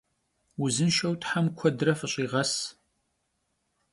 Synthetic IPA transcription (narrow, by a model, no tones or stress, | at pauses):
wʊzɨnʃɐwtħamkʷʰɔdrɐfɨɕʼiːʁɐs